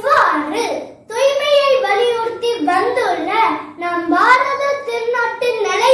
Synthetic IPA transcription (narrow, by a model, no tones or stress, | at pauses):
ʋaːnrɯ | t̪ɔjmɐjɐɪʋɐlɪjuːɾt̪iːɾʋɐnd̪ɯɭːɐnaːmbaːnɐðɯt̪ɪɾnoːʈːɪnnɪlɐ